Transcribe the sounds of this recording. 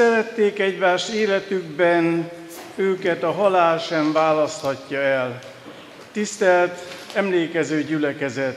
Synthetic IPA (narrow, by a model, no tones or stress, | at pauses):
sɛɾɛt̪ːeːkɛɟʋaːʃeːlɛt̪yɡbɛn | øːkɛt̪ɒɦɒlaːlʃɛɱvaːlɒst̪hɒcːɒɛl | t̪ist̪ɛlt̪ɛmleːkɛzøːɟylɛkɛzɛt̪